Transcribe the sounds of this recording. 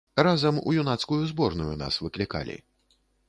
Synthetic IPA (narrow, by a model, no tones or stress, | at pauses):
ɾazɐmṵjunat̪skujuzbɔrnujuna̰svɨklʲika̰lʲḭ